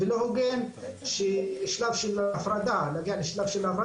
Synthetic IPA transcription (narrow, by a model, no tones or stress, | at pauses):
velohoɡenʃeʃlavʃelafɾad̪anaɡialeʃlavʃelafɾa